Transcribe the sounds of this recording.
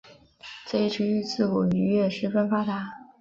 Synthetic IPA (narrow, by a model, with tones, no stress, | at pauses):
t͡sa˥˧i˥˩ʈ͡ʂ̩ʰ˧˥y˥˧t͡sɹ̩˥˩ku˨˩ny˧˥ɥɛ˥˧ʂɻ̩˥˩fə˥nfa˥t̪a˧˥